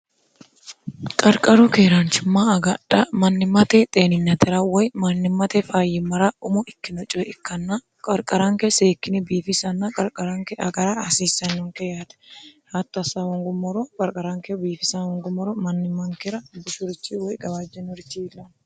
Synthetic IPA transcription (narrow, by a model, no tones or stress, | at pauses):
kʼɐɾkʼɐɾukeːɾant͡ʃɪmːaːɐɡɐᶑɐmɐnːɪmɐt̪et̪ʼeːnɪnːɐt̪ɛɾawɔjmɐnːɪmɐt̪ɛfaːjɪmɐɾaʊmʊɪkːɪnɔt͡ʃʼɔɪkːɐnːa | kʼɐɾkʼɐɾɐŋkeseːkːɪnɪbiːfɪsɐnːɐkʼɐɾkʼɐɾɐŋkɛʔɐ̰ɡɐɾaːɐsiːsːɐnːɔŋkɛjat̪ɐ̥hat̪ːɐsːawɔŋɡʊmːɔɾokʼɐɾkʼɐɾaŋkebiːfɪsawɔŋɡʊmːɔɾɔmɐnːɪmːɐŋkɛɾɐbʊʃʊɾɪt͡ʃːiwɔjɡɐbaːd͡ʒɛnʊɾɪt͡ʃːilːɐn